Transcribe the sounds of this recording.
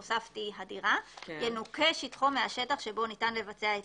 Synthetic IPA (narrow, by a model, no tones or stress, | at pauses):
osaftiɦadiʁajenuke̞ʃitχomeaʃe̞taχʃe̞bo̞nitanle̞vat͡se̞ae